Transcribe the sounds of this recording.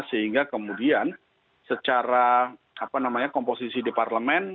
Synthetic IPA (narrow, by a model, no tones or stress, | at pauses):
səɦiŋɡakəmudian | sət͡ʃaɾa | apanamaɲakɔmposisidiparləmɛn